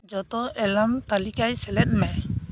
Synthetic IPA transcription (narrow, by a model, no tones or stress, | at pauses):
d͡ʒɔt̪ɔɛlamt̪alikajsɛlɛt̪̚maj